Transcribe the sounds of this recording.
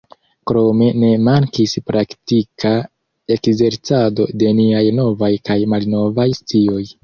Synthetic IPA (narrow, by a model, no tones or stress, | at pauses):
kɾo̞me̞ne̞maŋkispɾaktikʰa | e̞kze̞ɾt͡sado̞de̞niajno̞vajkajmalno̞vajstio̞j